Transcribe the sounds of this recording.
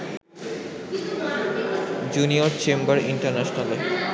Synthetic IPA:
d͡ʑunioɾt͡ɕembaɾiɳʈaɾnaʃnale

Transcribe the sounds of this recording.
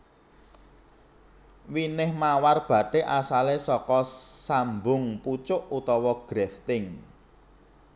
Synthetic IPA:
winɪhmawarb̥ä̤ɖ̥e̤ʔasalesɔkɔsambʊŋput͡ʃʊʔut̪ɔwɔɡ̥ɾɛft̪ɪŋ

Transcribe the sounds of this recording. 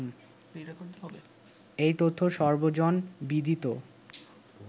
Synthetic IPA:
ikoɾt̪eɦbe | ejt̪ot̪ʰːoʃɔɾbod͡ʑonbid̪ʱit̪o

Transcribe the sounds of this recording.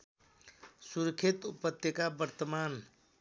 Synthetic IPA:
suɾkʰet̪upːət̪ːjekabəɾt̪əman

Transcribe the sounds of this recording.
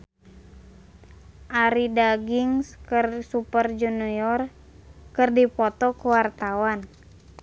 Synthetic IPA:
ʔaɾidaɡiŋskərsupərd͡ʒunujɔr | kɨrdipɔt̪ɔkuwart̪awan

